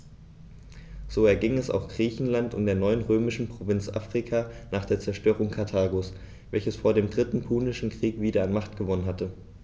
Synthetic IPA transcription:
z̥oːɛɐɡɪŋɛsa̰ʊxɡ̥ʁiːçn̩lantʊ̰mdeːɐnɔʏənʁøːmɪʃn̩pʁ̥ovɪnt͡sʔa̰ːfʁ̥ikʰaːnaːχd̥eːɐt͡sɛɐʃtøːʁ̞ʊŋkʰaɐtʰaːɡos | v̥ɛlçəsfoːɐdeːmdʁɪtn̩pʰuːnɪʃn̩kʁ̥iːkv̥iːdɐanmaχtɡ̥əvɔnənɦatə

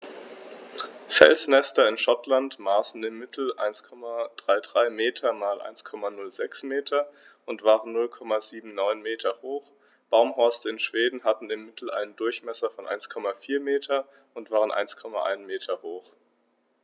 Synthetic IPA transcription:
fɛ̰lsnɛstɐɪnʃɔtlantmaːsn̩ɪmːɪtʰl̩ʔa̰ɪnskʰɔmad̥ʁaɪdʁaɪmeːtʰɐmaːlʔa̰ɪnskʰɔmanʊlzɛksmeːtʰɐ | ʔʊntv̥aːʁənnʊlkʰɔmaziːbm̩nɔʏnmeːtʰɐhoːχ | b̥aʊmɦɔɐstəɪnʃv̥eːdn̩hatn̩ɪmːɪtʰl̩ʔa̰ɪnəndʊɐçmɛsɐfɔnʔa̰ɪnskʰɔmafiːɐmeːtʰɐ | ʊntv̥aːʁ̞ənʔa̰ɪnskʰɔma̰ʔa̰ɪnmeːtʰɐhoːχ

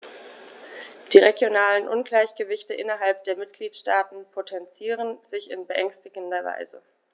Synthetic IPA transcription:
d̥iːʁeɡjonaːlənʔʊnɡlaɪçɡ̥əvɪçtəʔɪ̰nɐɦalp̚d̥eːɐmɪtɡ̥liːtʃtaːtn̩pʰotʰɛnt͡siːʁ̞ənzɪçɪ̰nbəʔɛŋstɪɡn̩dɐva̰ɪzə̰

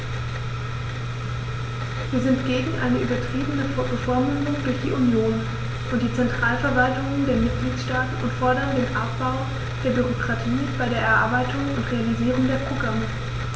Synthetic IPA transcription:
viːɐzɪntɡ̥eːɡŋ̩ʔa̰ɪnəʔyːbɐtʁ̥iːbənəbəfɔɐmʊnʊŋdʊɐçd̥ḭːʔunjoːn | ʔʊnt̚d̥iːt͡sɛntʁ̥aːlfɛɐvaltʊŋəndeːɐmɪt̚ɡ̥liːtʃtaːtn̩ʊntfɔɐɾɐndeːnʔa̰p̚b̥aʊ | d̥eːɐbyʁokʁ̥atʰiː | b̥aɪɾeːɐɛɐʔa̰ɐbaɪtʰʊŋʊntʁealiziːʁ̞ʊŋdeːɐpʁ̥oɡʁamə

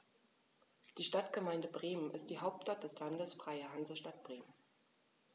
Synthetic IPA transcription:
d̥iːʃtatɡ̥əmaɪndəbʁeːmənʔɪstd̥iːɦaʊp̚tt͡ʃʃtat̚d̥ɛslandəsfʁ̥aɪəɦanzɐʃtat̚b̥ʁeːmən

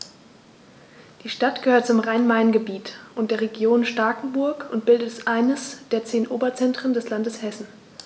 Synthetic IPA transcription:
d̥iːʃtatɡ̥əhøːɐt̚t͡sʊmʁaɪnmaɪnɡəbiːtʔʊntd̥eːɐʁ̞eɡjoːnʃtaɐkŋ̩bʊɐkʊnt̚b̥ɪldətsʔaɪnəsd̥eːɐt͡seːnʔoːbɐt͡sɛntʁ̥əndɛslandəshɛsn̩

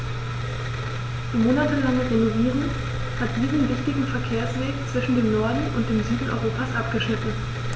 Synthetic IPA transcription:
imoːnatəlaŋəʁenoviːʁən | hat̚d̥iːzn̩vɪçtɪɡŋ̩fɛɐkʰeːɐsv̥ɛːkt͡sv̥ɪʃn̩deːmnɔɐdn̩ʊnt̚d̥eːmzyːdn̩ʔɔ̰ʏʁoːpasʔap̚ɡ̥əʃnɪtn̩

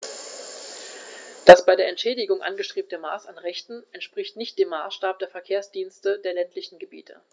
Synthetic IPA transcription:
d̥asb̥aɪdeːɐʔɛntʃɛːdɪɡʊŋʔa̰nɡəʃtʁ̥eːp̚təma̰ːsanʁɛçtn̩ʔɛntʃpʁ̥ɪçtnɪçt̚d̥eːmːaːsʃtaːp̚d̥eːɐfɛɐkʰeːɐsd̥iːnstədeːɐlɛntʰlɪçn̩ɡəbḭːtʰə̰

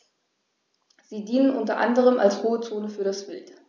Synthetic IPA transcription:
z̥iːdiːnənʔʊntɐʔa̰ndəʁ̞əma̰lshoːət͡soːnəfyːɐɾasb̥ɪlt

